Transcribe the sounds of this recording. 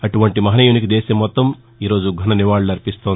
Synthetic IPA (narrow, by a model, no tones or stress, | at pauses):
ɐʈuʋɐɳʈimɐɦnɐjunikid̪eːsɐmːɔt̪ːɐm | iːɾo̞ːd͡ʒuɡʱɐnɐniʋaːɭɐɾipist̪oːn